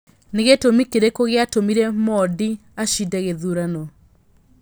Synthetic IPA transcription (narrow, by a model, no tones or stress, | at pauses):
neɣetomikeɾekoɣeatomiɾɛmɔdi | aɕidɛɣeðuɾanɔ